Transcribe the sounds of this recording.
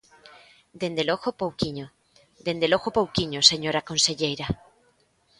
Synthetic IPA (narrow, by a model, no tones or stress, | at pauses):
d̪end̪eloɣopowkiɲo | d̪end̪eloɣopowkiɲoseɲoɾakõnseʎejɾa